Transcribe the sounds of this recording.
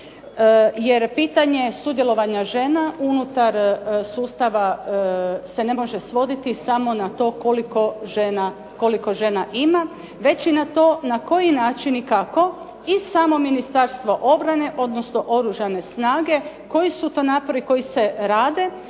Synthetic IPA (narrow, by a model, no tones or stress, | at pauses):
je̞ɾpiːt̪aɲe̞sud̪jelˠo̞ʋaɲaʒe̞naunut̪aɾsuːst̪aʋa | se̞ne̞mo̞ʒe̞sʋo̞d̪it̪isamo̞nat̪o̞ːkolikoʒena | ko̞liko̞ʒe̞naʔima | ʋe̞t͡ɕinat̪o̞ːnako̞jinaːt͡ʃinikako̞ | isamo̞minist̪aɾst̪ʋo̞ʔo̞bɾane̞ʔo̞d̪no̞sno̞ʔo̞ɾuʒane̞snaːɡe̞ | ko̞jisut̪onaːpoɾiko̞jise̞ɾaːd̪e̞